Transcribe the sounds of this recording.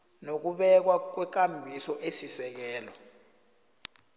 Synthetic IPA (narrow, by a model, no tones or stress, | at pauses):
nok̬uɓɛk̬wak̬wɛk̬ʼambʱisɔʔesisɛk̬ɛːlɔ